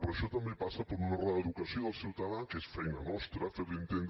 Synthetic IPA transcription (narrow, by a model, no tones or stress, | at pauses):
pəɾəʃɔt̪əmbepasəpəɾunoraðəðukəsioðəlˠsiwt̪ɐðakesfɛjnənɔst̪ɾəfeɾlint̪end̪